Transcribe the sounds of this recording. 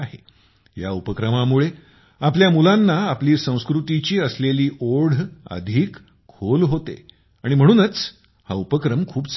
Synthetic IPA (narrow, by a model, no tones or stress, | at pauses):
aɦe | ja̰upəkɾəmamuɭe | apljamulãnːaːpliːsə̃w̃skɾut̪it͡ɕiːəsleliːʔoɽ̤ə̰d̪ʱiːkʰː | olɦot̪ḛ | aɽ̃im̤əɽ̃uːnət͡s | ha̰upəkɾəmkʰuːbs